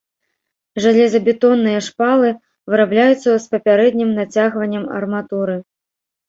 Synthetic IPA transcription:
ʐalʲɛzɐbʲɛt̪ɔnːɨjɐʂpalˠɨ | vɨɾablʲajut̪sːɐspɐpʲaɾɛd̪ʲnʲimnat͡sʲaɣvɐnʲːɐmɐ̰rmat̪uɾɨ

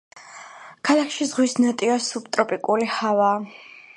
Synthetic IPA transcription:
kʰalˠakʰʃizʁwisnat̪ʼivasupt̪ʼɾɔpʼikʼulihavaː

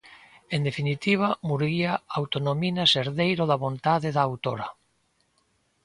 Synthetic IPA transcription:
end̪efinit̪iβ̞amuɾɣiaawt̪onominaseɾðejɾoðaβõnt̪aðeðaːwt̪oɾɐ

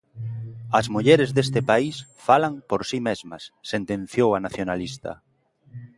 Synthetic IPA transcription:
ɐzmuʎɛɾezðest̪ɪpaisfalaŋpoɾsimezmɐsːent̪ẽnθjowanaθjonalist̪ɐ̰

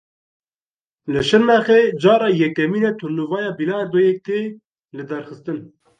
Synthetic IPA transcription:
lɨʃɨɾmæxeːd͡ʒɑːɾɑːjɛkːɛmiːnɛt̪ʰʊnːuvɑːjɑːbilɑːd̪ojɛk̚t̪eː | lɨd̪ɛɾxɨst̪ɨn

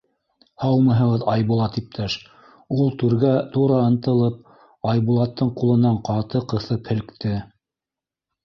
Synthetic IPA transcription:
hɑwmɤ̆ɦɤ̆ʁɤðɑjβulˠɑt̪ip̚t̪ʰæʃ | ulˠt̪ʉɾɡæt̪uɾɑɤ̆nt̪ɤ̆lˠɤp̚ | ɑjβulˠɑt̪ːɤɴqulˠɤ̆nɑɴqɑt̪ɤqɤ̆θɤphɘ̆lkt̪ɘ

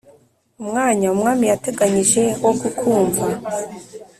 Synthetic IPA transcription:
umŋaːɲaumŋaːmijate̞ɡaɲiʒe̞woɡukʰuːɱva

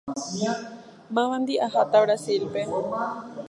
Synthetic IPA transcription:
mãʋãnd̪iʔaɦat̪aβɾasilpe

